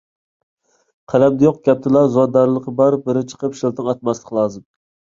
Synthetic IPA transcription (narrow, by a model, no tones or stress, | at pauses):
qʰælɛmd̪ɛjoq̚ɡʲɛp̚t̪ʰɪlˠɑɾzwɑd̪ɑɾlˠəqəbɑɾɨp̚bɪɾɪt͡ʃʰə̥qʰəpʃilˠt̪ʰɨŋɑt̪mɛslˠɨqʰlˠɑːzɨm